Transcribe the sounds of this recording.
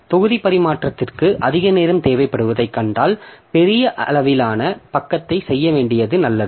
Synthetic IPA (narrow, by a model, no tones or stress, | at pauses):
t̪ɔɣɯðipɐɾɪmaːʈrɐt̪ːɪrkɯʔʔɐðɪɣɐneːɾɐmt̪eːʋɐɪpːɐɽɯʋɐðɐɪkːɐɳɖaːlpɛɾɪjɐʔɐlɐʋɪlaːnɐpɐkːɐt̪ːɐɪsɛjːɐʋeːɳɖɪjɐðɯnɐlːɐðɯ